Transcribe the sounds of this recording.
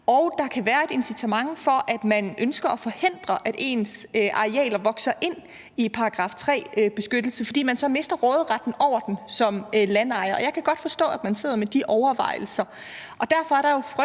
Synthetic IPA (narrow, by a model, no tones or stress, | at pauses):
ɒʊd̥ɑ̈kʰæʋæːɐe̝d̥e̝nsit͡sʰæmɑ̈ŋfɒ̽ʔæd̥mænʔønsɡ̥ɐɒfɒ̽he̝n̰d̥ʁɐʔæd̥e̝̰ːnsʔɑ̈ʁeɛ̰ːlɐʋɒ̽ɡ̥sɐʔe̝n̰ | ipʰɑ̈ɑɡ̥ʁɑ̈ːft͡sʰʁɛ̰ːb̥e̝sɡ̥ød̥l̩səfɒ̽d̥ḭːmænsɒ̽me̝sd̥ɐʁɔ̽ːð̞̩ˠʁɑd̥n̩ɒʊ̰ɐd̥en̩sɒ̽mlænɑ̈ɪɐɒjɑ̈ɪkʰæɡ̥ɒ̽d̥fɒ̽sd̥ɔ̰ːæd̥mænse̝ð̞̰ˠɐmed̥iʔɒʊɐʋɑ̈ɪ̰l̩sɐ | ʔɒ̽d̥æɐ̰fɒ̽æɐɾ̥ɑ̈jo̝fʁ